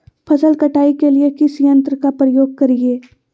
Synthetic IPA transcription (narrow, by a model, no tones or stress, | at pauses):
pʰɐsəlkɐʈaːikeliekɪsijɐ̃nt̪ɾkapɾəjoːɡ̚kɐɾieː